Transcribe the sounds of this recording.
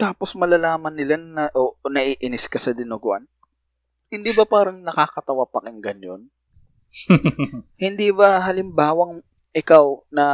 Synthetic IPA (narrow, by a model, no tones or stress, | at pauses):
t̪aːposmɐlalaːmɐnːɪlanɐʔonɐʔiːʔɪnɪskɐsɐd̪ɪnoɡʊʔa̰n | hɪnd̪iːbɐpaːɾɐŋnɐkaːkɐt̪ɐwapɐkɪŋɡɐnjo̰n | hɪnd̪ibɐɦɐlɪmbaːwɐŋ | ʔɪkawnɐ